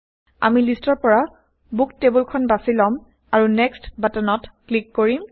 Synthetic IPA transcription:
a̰milistɔɹpɔɹa | buktebulkʰɔnbasilɔm | aɹunɛkstbatanɔtklikːoɹim

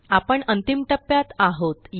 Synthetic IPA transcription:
apəɳənt̪imʈəpːjat̪aɦot̪j

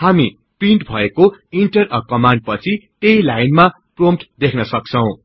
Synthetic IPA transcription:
hami | priɳʈbʱʌekoiɳʈʌrʌkʌmaɳɖ̚pʌt͡sʰit̪ejlajnma | promʈd̪ekʰnʌsʌk̚t͡sʰʌw̃

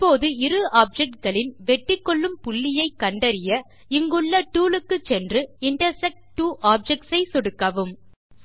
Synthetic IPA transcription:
ɪpːoːðɯɪɾɯaːp̚d͡ʒɛk̚ʈ̚ɡɐɭɪnʋɛʈːɪkːɔɭːɯmpʊɭːɪjɐɪkːɐɳɖɐɾɪjɐ | ɪŋɡɯɭːɐʈuːlɯkːɯt͡ʃːɛndrɯɪɳʈɐɾsɛk̚ʈʈːuːʔaːp̚d͡ʒɛk̚ʈsɐɪsɔɽɯkːɐʋɯm

